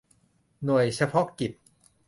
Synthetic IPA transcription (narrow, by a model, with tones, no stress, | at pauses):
nu˨˩əjt͡ɕʰa˧pʰɔ˦˥ki˨˩p̪̚